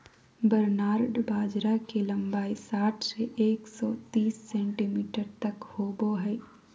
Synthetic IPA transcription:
bəɾnaːɾɖbaːd͡ʒɾakelɐ̃mbaːisaːʈʰseʔeːksɔːt̪iːsːɛ̃ːɳʈimiːʈəɾt̪ɐkhoːboɦɛː

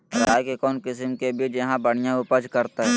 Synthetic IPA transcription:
ɾaːjkekɔːnkɪsmkebʱid͡ʒɐɦãbɐɽ̤̃ɪjãʊpəd͡ʒkɐɾt̪aɦɛː

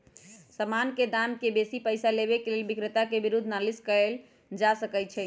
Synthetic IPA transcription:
səmanked̪amkebesipəɪsaleβekelelbikɾət̪akebiɾud̪ʱːnaliskəɾel | d͡ʒasəkɛt͡ʃʰɛ

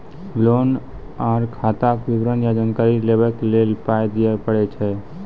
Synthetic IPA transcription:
lon | aɾkʰat̪akʋibɾənjad͡ʒankaɾilebɛklelpajd̪ijɛpəɽɛt͡ʃʰɛ

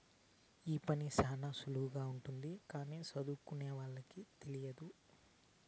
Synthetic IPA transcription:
iːpɐnisaːnɐsuluuɡaːuɳʈund̪ikaːniːsɐd̪uːkuneːʋaːɭːɐkit̪elijɐd̪u

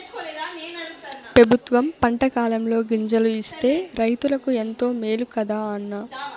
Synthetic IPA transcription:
pɾɐbʱut̪ʋɐmpɐɳʈɐkaːlɐmlo̞ːɡiɲd͡ʒɐluist̪e̞ːɾɐjt̪ulɐkue̞nt̪o̞ːmeːlukɐd̪aːɐnːɐ

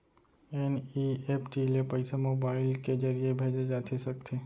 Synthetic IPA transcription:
eniepʰʈilepəɪsamoːbaːɪlked͡ʒəɾijebʱeːd͡ʒed͡ʒaːt̪ʰesɐk̚t̪ʰe

